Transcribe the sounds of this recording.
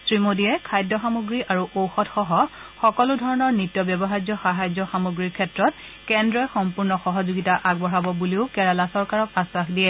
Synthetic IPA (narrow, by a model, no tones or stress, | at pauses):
sɹimodijɛkʰajdɔxamoɡɹiʔaɹuʔowxɔtxɔɦɔxɔkɔludʱɔɹɔnɔɹnitjɔbjɔbɔɦajzɔxaɦajzɔxamoɡɹiɹkʰɛtɹɔt̚ | kɛndɹɔjxɔmpuɹnɔxɔɦɔzuɡitaʔaɡbɔɹabɔbuliʊkɛɹalasɔɹkaɹɔkasaxdiɛ